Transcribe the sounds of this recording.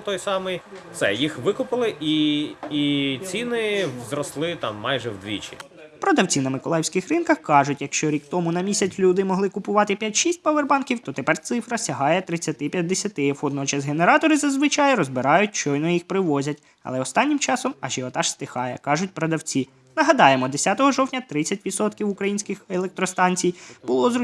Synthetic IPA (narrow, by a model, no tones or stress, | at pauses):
t̪ɔjsɑmɪj | sɛ̰jixʋɪkʊpɪlˠɪʔiit͡sʲinɪzɾɔslˠɪt̪ɑ̰mːɑjʒɛwd̪ʋʲḭt͡ʃʲḭ | pɾɔd̪ɐwt͡sʲinɐmɪkɔlˠɑjɪwsʲkɪxrɪnkɐxkɑʒʊtʲjɐkʃt͡ʃɔɾʲikt̪ɔmʊnɐmʲisʲɐt͡sʲlʲud̪ɪmɔɦlˠɪkʊpʊʋɑt̪ɪpʲjatʲʃisʲtʲpɐʋerbɑnkʲiwt̪ɔt̪epɛrt̪sɪfɾɐsʲɐɦɑjɛt̪ɾɪt͡sʲːɐt̪ɪpʲjɐd̪ːesʲɐt̪ɪwɔd̪nɔt͡ʃɐsɦeneɾɑt̪ɔɾɪzɐzʋɪt͡ʃɑjɾɔzbɪɾɑjʊt̚ʲt͡ʃɔjnɔjixpɾɪʋɔzʲɐtʲ | ɐ̰lˠɛɔst̪ɑnʲːɪmt͡ʃɑsɔmɐʒɛɔt̪ɑʃst̪ɪxɑjɛkɑʒʊtʲpɾɔd̪ɐwt͡sʲi | nɐɦɐd̪ɑjemɔd̪esʲat̪ɔɦɔʒɔwtʲnʲɐt̪ɾɪt͡sʲːɐtʲʋʲid̪sɔt̪kʲiwʊkɾɐjinʲsʲkɪxelˠek̚t̪ɾɔst̪ɑnʲt͡sʲijb̥ʊlˠɔzɾʊ